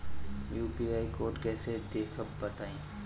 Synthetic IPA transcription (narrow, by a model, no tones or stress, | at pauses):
juːpiːaːikoːɾʈkɛːsed̪eːkʰəb̚ːɐt̪aːĩː